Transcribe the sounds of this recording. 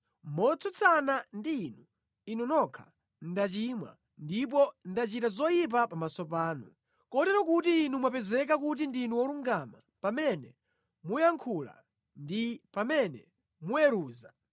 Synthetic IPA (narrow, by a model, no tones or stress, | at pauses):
mɔt͡sʰɔt͡sʰanandiːnu | inɔnɔkʰa | n̩dat͡ʃimwa̰ | ndip̬ɔndat͡ʃitazɔjip̬apamasɔp̬aːnu | kɔtɛɾɔkutiːnumwap̬ɛzɛk̬ak̬ut̬indinuwɔluŋɡama | pamɛnɛ | mujaŋkʰula̰ | ndipamɛnɛ | mujɛɾuːza